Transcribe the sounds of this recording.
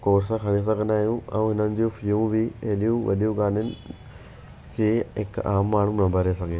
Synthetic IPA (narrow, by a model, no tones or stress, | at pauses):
koːɾsãkʰɐɽes̬ɐɡʱə̃naːɦijũɛ̰̃ũɦɪnənɪ̆d͡ʑũfijũbɪɐɦɪɗijũʋɐ̰ɗijũɡaːnjʊnɪ | kʰeːɦɪka̰ːmːaːɳ̤ũnɐbʱɐɾesɐɡʱeː